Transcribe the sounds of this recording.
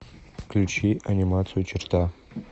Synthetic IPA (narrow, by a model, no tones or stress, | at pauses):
kʰlt͡ʃʰiʔanʲimat͡sʰjot͡ʃʰɪrtʰa